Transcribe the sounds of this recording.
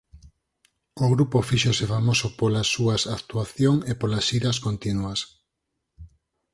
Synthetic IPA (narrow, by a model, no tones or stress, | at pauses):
oɣɾupofiʃosefamosopolɐsːuɐsakt̪uaθjoŋepolɐsiɾɐskont̪inuɐs